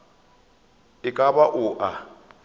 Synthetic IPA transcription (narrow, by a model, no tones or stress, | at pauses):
ɪkʼabaʔʊʔa